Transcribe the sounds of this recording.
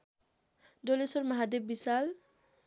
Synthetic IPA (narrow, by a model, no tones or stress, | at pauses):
dolesɔɾmaɦad̪eb̚bisal